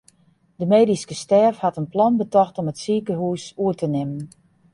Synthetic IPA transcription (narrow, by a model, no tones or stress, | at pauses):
d̥əmeːdiskəstɛːfhatənplɔnbətɔxtomətsiːkəɦuːsuətənɪmən